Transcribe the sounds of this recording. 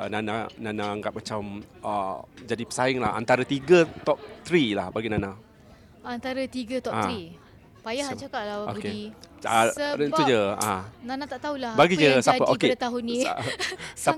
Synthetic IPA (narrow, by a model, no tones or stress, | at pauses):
ənanananaŋɡaʔ̚mat͡ʃaməd͡ʒadipə̥saɪŋla̰ha̰nt̪aɾət̪iɡət̪ɔp̚t̪ɾilahbaɡinanã | ant̪aɾət̪iɡət̪ɔat̪ɾi | pajahat͡ʃakat̪̚labao̰kei | sɾəud͡ʒəa̰nanãt̪aʔt̪aulahbaɡid͡ʒəsaəʔoket̪aɦʊni | sa